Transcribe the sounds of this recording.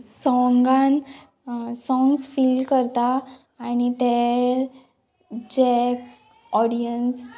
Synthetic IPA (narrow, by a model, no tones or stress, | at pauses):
sɔ̃ŋɡãn | sɔ̃ŋɡsfilkəɾt̪aː | ñit̪e | d͡ʑɛk | ɔɽijəns